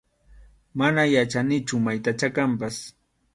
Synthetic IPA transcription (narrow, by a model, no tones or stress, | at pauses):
manajat͡ʃanɪt͡ʃʊmajt̪at͡ʃakampas